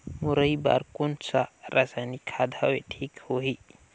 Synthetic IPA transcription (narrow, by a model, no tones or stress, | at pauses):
muɾɐjba̰ɾkunt͡saɾʔasanikʰad̪ʱaweʈʰikhoɦi